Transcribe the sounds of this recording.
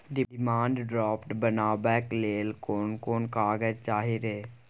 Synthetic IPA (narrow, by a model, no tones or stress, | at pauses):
ɖɪɪmãːɳɖɖɾɔːpʈbənaːbɛːkleːlkoːnkoːnkaːɡəd͡ʒt͡ʃaːɦeɾeː